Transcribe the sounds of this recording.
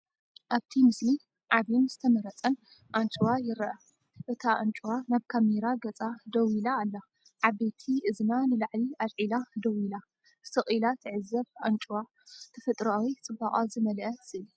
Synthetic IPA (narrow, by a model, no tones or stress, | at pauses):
ʔaβt̪ʰimɨsli | ʕaβinz̥ɨt̪ʰɐmɐɾɐt͡sʼɐn | ʔant͡ʃʼɨwajɪɾɐʔɐ | ʔɨt̪ʰaʔant͡ʃʼuwanaβkʰameɾaɡɐt͡sʼad̪ɐwilaːlːa | ʕaβet̪ʰiʔɨznanɨlaʕliʔalʕilad̪ɐwila | sɨχʼilat̪ʰɨʕɨzːɐβʔant͡ʃʼwa | t̪ʰɐfɐt̪ʼɾawit͡sʼɨbaχʼazɨmɐlʔɐzɨɨl